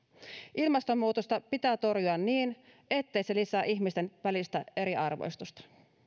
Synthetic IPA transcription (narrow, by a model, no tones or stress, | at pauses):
ʔilmɑst̪o̞mːuːt̪ost̪ɑpit̪æːt̪o̞rjuɑnːiːnʔe̞t̪ːe̞jse̞lisæːʔiçmist̪enʋælist̪æe̞ɾiɑrʋo̰jst̪ust̪ɑ̥